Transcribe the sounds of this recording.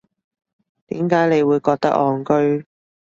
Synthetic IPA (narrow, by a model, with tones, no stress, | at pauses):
t̪iː˨˥mkaː˨˥jne˨˧jwuː˨˧jkɔː˧k̚t̪ɐ̰˥k̚ɔː˧ŋkɵ˥ɥ